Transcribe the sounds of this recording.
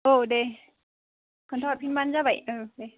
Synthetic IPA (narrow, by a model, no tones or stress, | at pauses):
ʔəːɗe | kʰənt̪ʰɔpʰinmanzaːvə̰jʔʔəːɗe